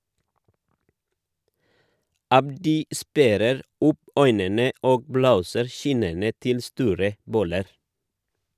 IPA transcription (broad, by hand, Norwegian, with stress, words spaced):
ˈɑbdɪ ˈspæɾəɾ ˈʊp ˈœʏnənə ˈoːɡ ˈbloːsəɾ ˈçɪnənə ˈtɪl ˈstuːɾə ˈbɔləɾ